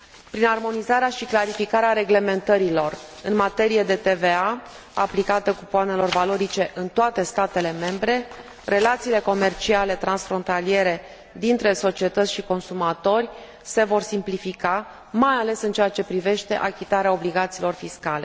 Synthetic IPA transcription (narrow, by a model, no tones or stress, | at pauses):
pɾinarmo̞nizaɾeaʃiklaɾifikaɾeaɾe̞ɡle̞me̞nt̪əɾilo̞rɨnmat̪e̞ɾije̞d̪e̞t̪e̞ve̞a | a̰plikat̪ekupoane̞lo̞rvalo̞ɾit͡ʃe̞ʔɨnt̪oat̪e̞st̪at̪e̞le̞me̞mbɾe̞ | re̞lat̪siːle̞ko̞me̞rt͡ʃiale̞t̪ɾansfɾo̞nt̪alije̞ɾe̞ | d̪int̪ɾe̞so̞t͡ʃie̞t̪ət̪sʲʃiko̞nsumat̪o̞rʲ | se̞vo̞rsimplifika | majale̞sɨnt͡ʃeat͡ʃe̞pɾive̞ʃt̪e̞̰ʔakʲit̪aɾeao̞bliɡat̪siːlo̞rfiskale̞̰